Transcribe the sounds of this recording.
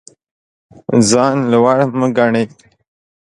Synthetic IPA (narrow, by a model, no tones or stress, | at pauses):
zɑːnlawaɽməɡaɳe